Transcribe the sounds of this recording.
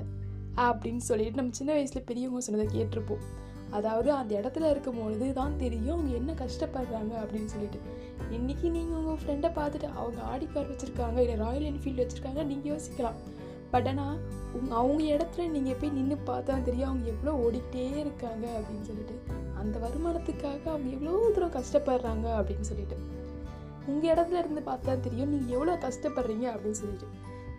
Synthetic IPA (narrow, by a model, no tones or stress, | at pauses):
ɐpːɐɽɪnːsɔlːɪʈːɯnɐmːɐt͡ʃɪnːɐʋɐɪsɪlɐpɛɾɪjɐʊŋɡɐsɔnːɐðɐkeːʈːɪɾɯpːõː | ɐðaːʋɐðɯɐnd̪ɐɛɽɐt̪ːɪlɐɪɾɯkːɐmpoːðɯðɯt̪ãːnt̪ɛɾɪjʊ̃ɐʋɐŋɡɐɛnːɐkɐʂʈɐpːɐɾːaːŋɡɐɐpːɐɽɪnːɯsɔlːɪʈːɯ | ɪnːɪkːiniːŋɡɐʊŋɡɐfɾɛɳɖɐpaːɾt̪ɯʈːɯʔɐ̰ʋɐŋɡɐa̰ːɽɪkːaːɾʋɐt͡ʃːɪɾɯkːaːŋɡɐɪlːɐɾaːjɐlɛnːɯfiːlɖʋɐt͡ʃːɪɾɯkːaːŋɡɐniːŋɡɐjoːsɪ̥kːɐlãː | pɐʈːenaː | ʊŋɐʋɐŋɡɐɛɽɐt̪ːɯlɐniːŋɡɐɛpːɐjinɪnːɯpaːɾt̪ːaːt̪ɛɾɪjʊ̃ɐʋɐŋɡɐɛʋːɐɭoːɔɽɪʈːeːɪɾɯkːaːŋɡɐɐpːɐɽɪnːɯsɔlːɪʈːɯɐnd̪ɐʋɐɾɯmaːnɐt̪ːɯkːaːɣɐɐʋɐŋɡɐɛʋːɐɭoːt̪ɯɾõkɐʂʈɐpːɐɽɾaːŋɡɐɐpːɐɽɪnːɯsɔlːɪʈːɯ | ʊŋɡɐɪɽɐt̪ːɯlɐɪɾɯnd̪ɯpaːɾt̪ãːt̪ɛɾɪjʊ̃mniːŋɡɐɛʋːɐɭoːkɐʂʈɐpːɐɽɾiːŋɡɐɐpɐɽɪnsɔlːɪʈːɯ